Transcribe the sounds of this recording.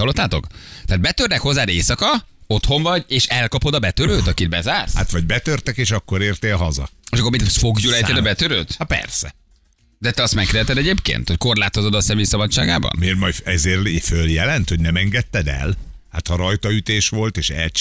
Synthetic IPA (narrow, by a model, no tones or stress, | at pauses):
ɒlːo̞t̪ːaːt̪o̞̰kt̪ɛaːd̪̚bɛt̪ørnɛkho̞zːaːd̪eːsɒkɒo̞t̪ho̞ɱvɒɟeːʃɛlkɒpo̞d̪ɒbɛt̪øɾøːt̪ɒkid̪̚bɛzaːrsat̪ʋɒɟbɛt̪ørt̪ɛkeːʃɒkːoɾeːrt̪eːɦɒzɒ̰eʃɒkormifo̞ɡjulɛjt̪ɛd̪ɒbɛt̪øɾøːt̪hɒpɛ̰rsɛ | d̪ɛt̪ɛɒst̪mɛk̪ːɛt̪ɛd̪ɛɟeːpkḛːnt̪ho̞cko̞rlaːt̪o̞zo̞d̪ɒsɛmeːjsɒbɒt͡ʃt͡ʃːʃaːɡa̰ːbɒ̰nmeːrmɒjɛzeːrføljɛlɛnt̪ho̞ɟnɛmɛŋɡɛt̪ːɛd̪ɛ̰l | hat̪hɒɾɒjt̪ɒyt̪eːʃʋo̞lt̪eːʃɛ̰l